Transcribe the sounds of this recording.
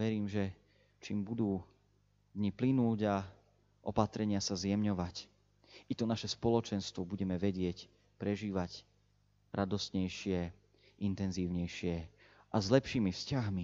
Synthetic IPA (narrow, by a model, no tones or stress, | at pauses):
ʋɛɾiːmʒɛ | t͡ʃiːmbud̪uː | d̪ɲiplinuːɟa | ʔɔpat̪ɾɛɲɪasazjɛmɲɔʋac | ʔit̪ɔnaʃɛspɔlɔt͡ʃɛnst̪ʋɔbuɟɛmɛʋɛɟɪɛc | pɾɛʒiːʋac | ɾad̪ɔst̪ɲɛjʃɪɛ | ʔint̪ɛnziːʊɲɛjʃɪɛʔazlɛpʃiːmifscaɦmi